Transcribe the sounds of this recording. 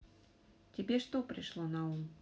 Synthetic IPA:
t͡sʲabʲɛʂt̪ɔpɾɨʂlˠɔnɐum

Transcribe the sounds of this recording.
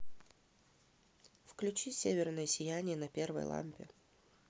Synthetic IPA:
fklʲʉt͡ɕisʲevʲɪrnəjəsʲɪjænʲɪjənɐpʲervə̰jlˠa̰mʲpʲɪ̰

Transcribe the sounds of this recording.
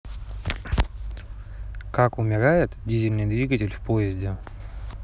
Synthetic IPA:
kakʊmʲɪɾajɪt̪dʲizʲɪlʲnɨjd̪vʲiɡətʲɪlʲfpojɪzʲdʲɪ

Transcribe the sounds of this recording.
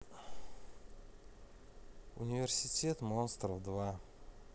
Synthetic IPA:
ṵnʲivʲersʲitʲet̪monst̪rəvd̪va

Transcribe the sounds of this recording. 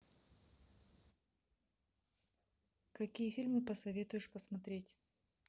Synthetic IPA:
kɐkʲijəfʲilʲmɨpəsɐvʲet̪ʊjɪʂpəsmɐt̪ɾʲetʲ

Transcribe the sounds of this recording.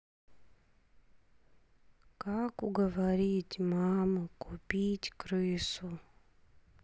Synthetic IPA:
kakuɡəʋaɾʲitʲmaməkupʲitʲkɾɨsu

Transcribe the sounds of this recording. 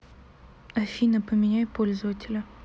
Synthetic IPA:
ɐfʲinəpəmʲɪnʲæjpolʲzəvətʲɪlʲə

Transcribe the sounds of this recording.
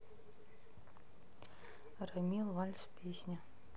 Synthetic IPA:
rɐmʲilˠvalʲspʲʰesʲnʲa

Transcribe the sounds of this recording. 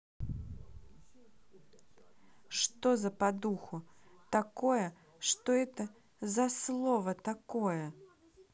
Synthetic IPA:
ʂt̪ɔzɐpad̪uxut̪akɔjɐ | ʂt̪ɔɛt̪ɐ | zɐslˠɔvɐt̪akɔjɐ

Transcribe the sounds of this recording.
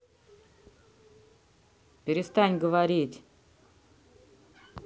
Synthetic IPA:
pʲɪɾʲɪst̪anʲɡəvaɾʲitʲ

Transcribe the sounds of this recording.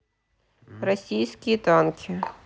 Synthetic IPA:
ɾɐsʲiːskʲit̪ankʲʰe

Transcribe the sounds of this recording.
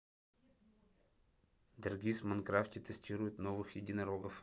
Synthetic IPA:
d̪ɐrɡʲismɐnkɾaftʲɪt̪ɨsʲtʲiɾʊjʊt̪novɨxjɪdʲɪnɐɾoɡəf

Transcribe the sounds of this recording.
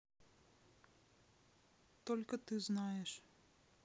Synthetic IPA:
t̪ɔlʲkɐt̪ɨznajɛʂ

